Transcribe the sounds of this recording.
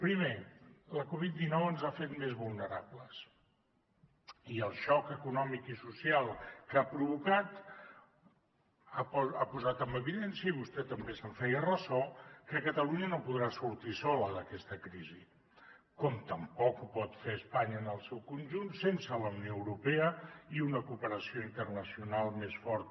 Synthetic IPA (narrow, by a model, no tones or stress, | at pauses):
pɾimeləkoβ̞it̪̚d̪inɔwənzafet̪mezβulˠnəɾabləs | iəlˠʃɔkəkunɔmikisusialˠkapɾuβukat̪ | aapuzat̪əmbəβiðɛnsjəiβust̪ɛt̪əmbesəɱfɛjərəzɔkəkət̪əluɲənopuðɾasuɾt̪isɔləðəkɛst̪əkɾizi | kɔmt̪əmpɔkupɔt̪feəspaɲəːnəlˠsɛwkunʲʒunsensələunijoəwɾupeəiunəkupəɾəsioint̪ərnəsiunalˠmesfɔɾt̪̚